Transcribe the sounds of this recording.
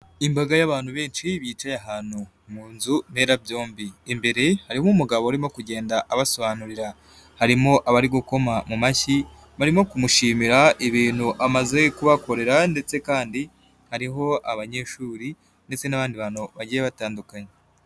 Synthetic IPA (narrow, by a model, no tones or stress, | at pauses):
imbaɡajaβaːn̥huβe̞ːnʃiβiːt͡ʃajaɦaːn̥hu | muːnzun̥e̞ːɾabjo̞ːmbimbe̞ɾe̞haɾiomumuɡaβoɾimo̞kuɟe̞ːndaʔaβaso̞βanuɾiɾa | haɾimo̞ʔaβaɾiɡuko̞mamumaçi | βaɾimo̞kumuʃiːmiɾaiβiːn̥huʔamaze̞kuβako̞ɾe̞ɾande̞t͡se̞kaːndi | haɾiɦo̞aβaɲe̞ʃuːɾi | nde̞t͡se̞naβaːndiβan̥uβaɟijeβataːndukaɲe